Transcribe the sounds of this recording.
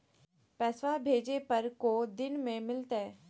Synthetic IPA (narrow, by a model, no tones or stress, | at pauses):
pɛːswabʱeːd͡ʒepɐɾkod̪ɪnmẽmɪlt̪ɦɛː